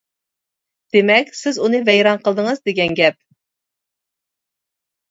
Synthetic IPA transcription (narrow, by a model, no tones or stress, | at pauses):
d̪̥emɛkʲsɪzunɨvɛjɾɑnqəlˠd̪əŋəzd̪eɡʲɛnɡʲɛp̚